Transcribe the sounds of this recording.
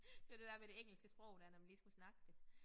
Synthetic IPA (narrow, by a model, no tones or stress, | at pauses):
d̥e̝æɐd̥e̝d̥æɐ̰ʋed̥eeŋ̰l̩sɡ̥əsb̥ʁɔʊ̰dæɐnæmliːsɡ̥usnɑ̈ɡ̥əd̥e